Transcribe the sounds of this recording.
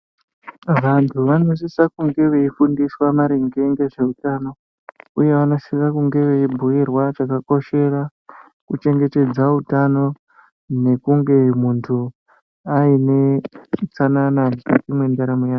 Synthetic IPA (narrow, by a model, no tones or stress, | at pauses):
ʋantʰuʋano̞s̬isakuŋɡe̞ʋe̞ifundiswamaɾeŋɡe̞ŋɡe̞ʐe̞utano̞ | uje̞ʋano̞sisakuŋɡe̞ʋe̞ibʱuirwat͡ʃakako̞ʃe̞ra | kut͡ʃe̞ŋɡe̞te̞d͡zautano̞ | ne̞kuŋɡe̞muntʰu | aine̞t͡sanananikatimwe̞ndaɾamujaːo